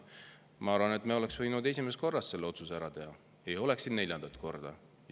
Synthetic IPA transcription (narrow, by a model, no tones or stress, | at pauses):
mɑɑɾvɑne̞t̪meole̞ksvɤjnud̪e̞sʲimest̪ko̞rːɑsːse̞lːeo̞t̪susæɾɑt̪e̞ɦɑ | e̞jo̞le̞ksinnːe̞lʲjɑnd̪ɑt̪ˑko̞rd̪̥ɑ̰